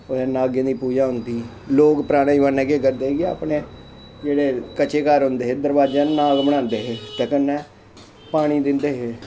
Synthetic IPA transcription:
oɛːnaːɡẽːd̪iːpuːd͡ʒaːɦʊnd̪iː | loːkpəɾaːɽ̃aːiʋənẽːkeːkəɾd̪eːɡea̰ːpɳeː | d͡ʒeːɽeːkət͡ʃeːkaːɾɦʊnd̪eːɦeːd̪əɾbaːd͡ʒaːnaːɡbəɽ̃ãːnd̪eːɦeːt̪ɛːkənːɛ̃ː | paːɽ̃iːd̪ɪnd̪eːɦeː

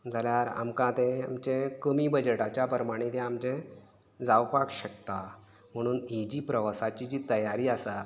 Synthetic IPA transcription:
d͡zaljaɾa̰mkãt̪ɛ̃a̰mt͡ɕɛ̃kəmibəd͡ʑəʈat͡ɕjapəɾəmaɽ̃ĩt̪ɛ̃amt͡ɕɛ̃ | d͡zawpakɕək̚t̪a | m̤əɽ̃uːnid͡ʑiːpɾəʋasat͡ɕid͡ʑiːt̪əjaɾiːasa

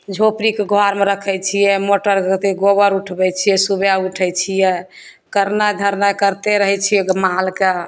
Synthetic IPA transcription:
d͡ʒʱopɾikeɡʱaɾmeɾəkʰɛt͡ʃʰijɛmoʈəɾt̪eɡobəɾuʈʰbɛt͡ʃʰijɛsubjauʈʰɛjt͡ʃʰijɛ | kəɾnad̪ʱəɾnakəɾt̪eɾəɦɛt͡ʃʰijɛɡmaɦlke

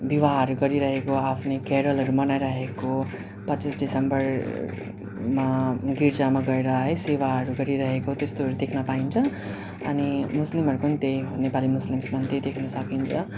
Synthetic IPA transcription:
bibaɦʌɾuɡʌɾiɾʌɦekoapʰnekeɽʌlɦʌɾumʌnajɾʌɦeko | pʌtːt͡sisɖisembʌr | maɡiɾd͡zamaɡʌeɾʌɦʌjsewaʌɾuɡʌɾiɾʌɦekot̪est̪oɦʌɾud̪ekʰnʌpaint͡sʰʌ | ʌnimuslimɦʌɾukonit̪ejnepalimuslimsmʌnt̪ejd̪ekʰnʌsʌkint͡sʰʌ

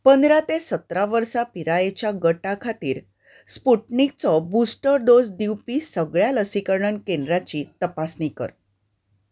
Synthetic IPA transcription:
pənd̪ɾat̪esət̪ɾaʋəɾsapiɾajet͡ɕjaɡəʈakʰat̪iːɾ | spuʈnik̚t͡sɔbusʈəɾd̪od͡zd̪iwpiːsəɡɭjaləsikəɾɳənkendɾat͡ɕiːt̪əpasnikə̰ɾ

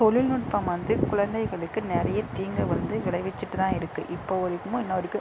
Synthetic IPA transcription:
tɔlɪlnʊʈ̚pɐmʋɐnd̪ɯkʊɻɐnd̪ɐɪɣɐɭɯkːɯnɪɾɐjɐt̪iːŋɡɐʋɐnd̪ɯʋɪɭɐɪʋɛt͡ʃːɯʈːɯt̪ãːɪɾɯkːɯʔɪpːoːɔɾɯkːɯmõɪnːɐɔɾɯkːɯ

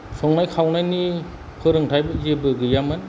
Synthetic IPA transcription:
sʰɔŋnajkʰawnajni | pʰɯɾɯŋtʰajbɯzebɯɡɯjamɯn

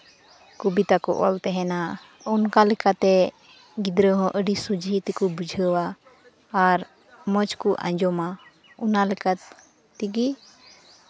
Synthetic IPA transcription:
kubit̪akɔ̰ʔɔ̰lt̪ɛɦɛna | ɔnkalɛkat̪ɛ | ɡid̪ɾəɦɔ̃ʔəɖisud͡ʒʱit̪ikɔbud͡ʒʱəwaː | ɾ | mət͡ʃkuʔã̰ɲd͡ʒɔma | ɔnalɛka | t̪iɡi

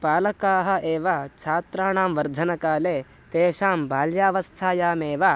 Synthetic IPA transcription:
paːlɐkaːɦɐ̆ʔeːʋɐt͡ʃʰaːt̪ɾaːɳaːmʋɐɾd̪ʱɐnɐkaːleː | t̪eːʃaːmbʱaːljaːʋɐst̪ʰaːjaːmeːʋɐ

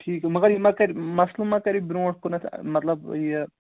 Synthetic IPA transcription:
ʈʰiːkmɐɡɐɾjimɐkɐɾimɐslumɐkɐɾibɾoːʈʰkunɐt̪ʰmɐt̪lɐbjɐ

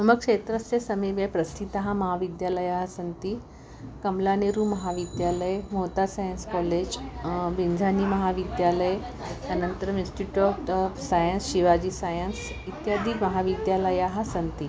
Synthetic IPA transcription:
məɡkʂet̪ɾəsjesəmiʋjepɾɐst̪ʰit̪aɦãmɐɦaʋid̪jaləjaɦasənt̪i | kəmlaneɾumɐɦaʋid̪jaləjmot̪asajənskɔled͡ʑʋind͡zʱanimɐɦaʋid̪jaləj | anənt̪əɾəmĩnsʈiʈoʈsajənsɕiʋad͡ʑisajəns | it̪jad̪ʱimɐɦaʋid̪jaləjaɦasənt̪i

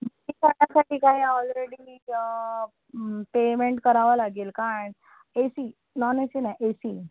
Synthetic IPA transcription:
miːk̪aɳjasaʈiːkaɦiːɔlɾeɽiː | pemeɳʈkəɾaʋalaɡeːlkaɾaɳ | esiː | nɔnesinaʔesiː

